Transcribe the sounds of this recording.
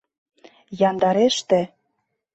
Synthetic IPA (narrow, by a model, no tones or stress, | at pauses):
jɑnd̪ɑɾeʃt̪ĕ